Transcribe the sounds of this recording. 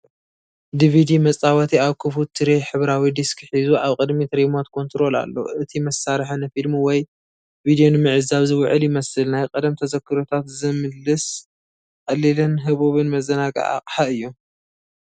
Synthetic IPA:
d̪ivid̪imɐt͡sʼawɐt̪ʰiaβkʰɨfut̪ʰːɨɾeħɨβɾawid̪iskʰɨħizuʔaβkʼɨd̪mit̪ʰɨɾimo̞nt̪̚kʰo̞nt̪ʰɾo̞la̰lːo̞̰ʔɨt̪ʰimɐsːaɾħanɨfilmwɔj | vid̪ijonɨmɨʕɨzaβzɨwʕɨljɪmɐsɨlnajkʼɐd̪ɐmt̪ʰɐzɐkːɨɾot̪ʰat̪zɨmɨlːɨs | ɐlːilɐnɦɨβuβɨnmɐzɐnaɡɐ̰ʕa̰qʼħaɨjːu

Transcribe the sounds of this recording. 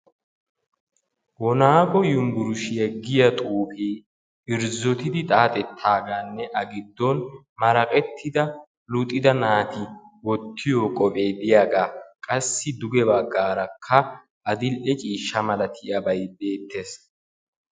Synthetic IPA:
wɔnaːɡɔjʊmbʊɾʊʃɪjɐɡɪjɐt̪ʼuːfiː | ɪɾzɔt̪ɪd̪ɪt̪ʼaːt̪ʼɛt̪ʰːaːɡaːnːɛʔɐɡɪd̪ːɔn | mɐɾɐkʼɛt̪ʰːɪd̪ɐ | lʊt̪ʼːɪd̪ɐnaːt̪ɪwɔt̪ʰːɪjɔkʼɔpʼeːbɪjaːɡaːkʼɐsːɪd̪ʊɡɛbɐɡːaːɾɐkʰːɐ | ʔɐd̪ɪlʔɛt͡ʃʼiːʃːɐmɐlɐt̪ʰɪʔɐbɐjbe̞ːt̪ːeːs

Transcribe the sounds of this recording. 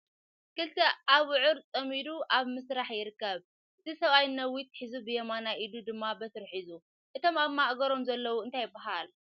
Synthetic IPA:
kɨlt̪ʰɐʔaβʊʕʊɾt͡sʼɐmid̪uʔaβmɨsɾaħjɪɾɨkːɐβ | ʔɨt̪ʰisɐβajnɐwːit̪ħizubɨjɛmanaʔid̪ud̪ɨmːabɐsɨɾħizu | ʔɨt̪ʰo̞maβmaʔɡɐɾo̞mzɐlːɐwuɨnt̪ʰajɪbːaɦal

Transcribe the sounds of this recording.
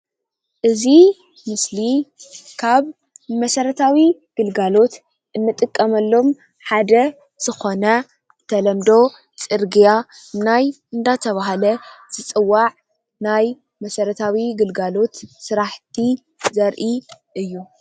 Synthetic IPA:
ʔɨzi | mɨslikʰaβ | mɐsɐɾɐt̪ʰawiɡ̥ɨlɡalo̞t̪ | ʔɨnːɨt̪ʼɨkʼːɐmɐlːo̞m | ħad̪ɐ | z̥ɨxo̞nɐ | t̪ʰɐlɐmd̪o̞ | t͡sʼɨɾɡija | najʔɨnd̪at̪ʰɐβaɦalɐz̥ɨt͡sʼɨwːaʕ | naj | mɐsɐɾɐt̪ʰawiɡɨlɡalo̞t̪sɨɾaħt̪ʰi | zɐɾʔi | ʔɨjːu

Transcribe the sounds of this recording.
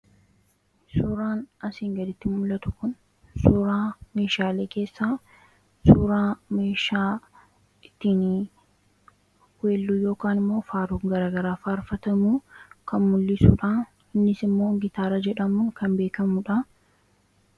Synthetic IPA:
suɾaːnɐsɪːŋɡɐd̪ɪt̪ːɪmʊlːɐt̪ʊ̥kʊn | suːɾaːmeːʃaːle̞ːke̞ːsːaː | suːɾaːmeːʃaː | ɪt̪ːɪn | weːlːuːjo̞ːkaːnɪmːo̞ːfaːɾɔɡɐɾaːɡɐɾaːfaːɾfɐt̪ɐmuːkɐnmʊlːɪsṵᶑa | ɪnːɪsɪmːo̞ːɡɪt̪aːɾɐd͡ʒɛᶑɐmuːkɐmbeːkɐmʊᶑa

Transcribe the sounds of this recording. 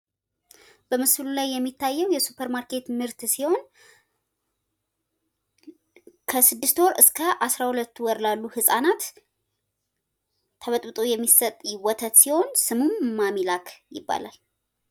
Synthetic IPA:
b̥əmɨslulajːɛmːit̪ʰːajːɛwjɛsupʰəɾmaɾkʰe̞t̪mɨɾt̪siho̞n | kʰəsɨd̪ːɨst̪o̞ɾɨskʰəʔasɾahulət̪ːwɔɾlalːuhɨsʼanat̪ | t̪ʰəβət̪ʼbɨt̪ʼojɛmːisət̪ʼːjɪwɔt̪ʰət̪siho̞nsɨmumːamilakʰjɪ̰bːa̰la̰l

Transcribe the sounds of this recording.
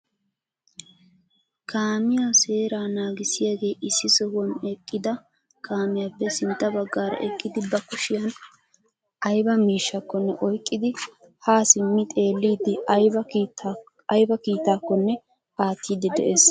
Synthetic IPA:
kʰaːmɪjaːse̞ːɾaːnaːɡɪsɪjaɡe̞ːʔɪsːɪsɔhɔnɛkʼːɪd̪ɐ | kʰaːmɪjaːpːɛsɪnt̪ːɐbɐɡːaːɾɐ̰ʔɛkʼːɪd̪ɪbɐkʊʃɪjɐn | ɐjbɐmiːʃːɐkːɔnːɛʔɔjkʼːɪd̪ɪ | haːsɪmːɪt̪ʼe̞ːlːiːd̪ɪjɐ | ɐjbɐkiːt̪ːaːkːɔnːɛ | aːt̪ːiːd̪ɪd̪ɛ̰ʔes

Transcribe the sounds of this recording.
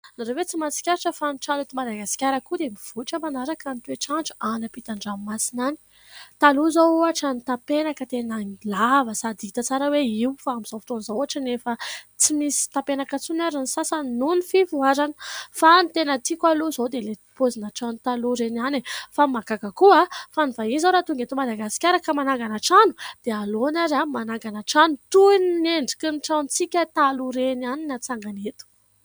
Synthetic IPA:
nɾewet͡simat͡si̥kʲaɾaʈ͡ʂəfaniʈ͡ʂanut̪imad̪aɡasi̥kʲaɾəkud̪emiv̥uʈ͡ʂəmanaɾakant̪ueʈ͡ʂaɳɖ͡ʐu̥anapit̪aɳɖ͡ʐamimasinani̥ | t̪aluzowuaʈ͡ʂanit̪apenakət̪enanlavəsad̪it̪at͡saɾəweiufaamiz̥owfi̥t̪onzauaʈ͡ʂənefət͡simisi̥t̪apenakat͡sunaɾanisasanunifivuaɾani̥fanit̪enət̪ikʲaluzod̪elepozinaʈ͡ʂanut̪aluɾenanefamakakakuafanivaizoɾat̪uŋɡet̪umad̪aɡasi̥kʲaɾakəmanaŋɡanaʈ͡ʂanud̪̥ealonaɾamanaŋɡanaʈ͡ʂanut̪uinineɳɖ͡ʐi̥kinʈ͡ʂant͡sikʲət̪aluɾenaninat͡saŋɡanet̪u̥

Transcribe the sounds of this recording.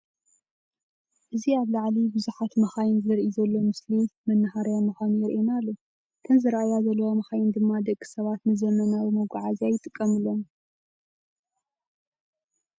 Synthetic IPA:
ʔɨziaβlaʕlibɨzuħat̪mɐxajɪnzɨɾʔizɐlːo̞mɨslimɐnːɨɦaɾjamɐxanujɪɾjonalːo | kʰɐnzɨɾʔajazɐlːɐwamɐxajɪnd̪ɨmːad̪ɐkʼːi̥sɐβat̪nɨzɐmɐnawimɐɡʷaʕaziajɪt̪ʼɨkʼːɐmɨlːom

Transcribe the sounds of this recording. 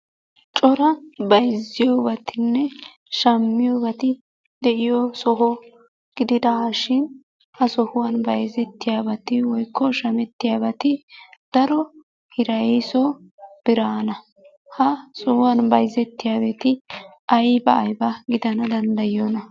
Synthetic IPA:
t͡ʃʼɔɾɐbɐjzːɪjoːbɐt̪ɪnːɛ | ʃɐmːɪjoːbɐt̪ɪ | d̪ɛʔɪjosɔɦɔ | ɡ̥ɪd̪ɪd̪ɐʃɪn | hɐsɔhʊwaːnbɐjzɛt̪ːɪjaːbɐt̪ɪwɔjkːɔʃɐmɛt̪ːɪjaːbɐt̪ɪd̪̥ɐɾɔ | hɪɾɐjɛsɔ | b̥ɪɾaːnɐ | hɐsɔhʊwaːnbɐjzɛt̪ːɪjaːbet̪ɪ | ɐjbɐːjbɐɡɪd̪ɐnɐd̪ɐnd̪ɐjonɐ

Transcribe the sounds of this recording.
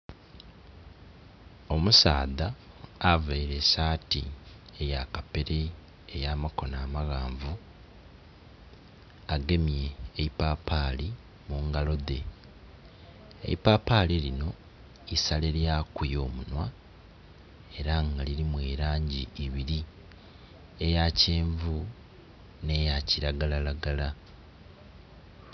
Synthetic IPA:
o̞musa̰ːðaː | vaiɾe̞saːtḭejakapeɾe̞ː | jaːmako̞naːmaɣaːɱvu | aɡe̞mije̞ːipapʰaːli | muŋɡalo̞de̞ | ḛḭpaːpaːliɾino̞ | isale̞ɾjakujo̞ːmunwa | e̞ɾaŋɡaliɾimweːɾaːɲɟḭːβiɾi | e̞jaceːɱvu | ne̞jaciɾaɡalalaɡala

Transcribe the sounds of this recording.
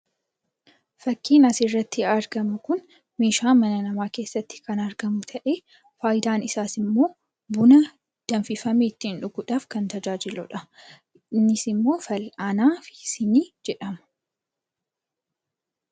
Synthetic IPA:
fɐkːiːnɐsɪrːɐt̪ːɪɐɾɡɐmɐkʊn | me̞ːʃaːmɐnɐnɐmaːke̞ːsːɐt̪ːɪ̥kɐnɐɾɡɐmʊt̪ʰɐʔeː | faːjɪd̪aːnɪsaːsɪmːo̞ː | bʊnɐ | d̪̥ɐnfɪfɐmeɪt̪ːɪnᶑʊɡʊᶑaːfkɐnt̪ɐd͡ʒaːd͡ʒɪlʊᶑɐ | nːɪsɪmːo̞ːfɐlaːnaːfɪsɪniːd͡ʒɛᶑɐmɐ̥

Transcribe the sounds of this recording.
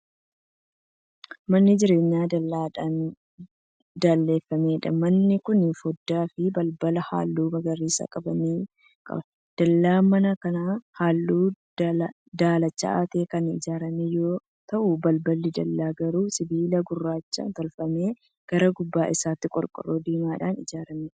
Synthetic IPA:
mɐnːɪd͡ʒɪɾe̞ːɲːaːd̪ɐlːaːaːn | d̪aːlːe̞ːfːɐme̞ːᶑɐmɐnːɪkʊnfɔd̪ːaːfɪbɐlbɐlɐha̰ːlːuːmɐɡɐriːsɐ̰kʼɐbɐmeː | kʼɐ̰bɐ | d̪̥ɐlːaːmɐnɐkɐnaːhaːlːuː | d̪aːlɐt͡ʃːɐ̰ʔa̰ːt̪eːkɐnɪ̰d͡ʒaːɾɐmejoː | t̪ɐʔubɐlbɐlːɪd̪ɐlːaːɡɐɾuːsɪbiːlɐɡʊrːaːt͡ʃːɐ̰t̪ɔlfɐme̞ː | ɡ̥ɐɾɐɡʊbːaːʔɪsaːt̪ːɪkʼɔ̰lkʼʊ̰rːoːd̪eːmaːᶑa̰ːnɪd͡ʒaːɾɐme

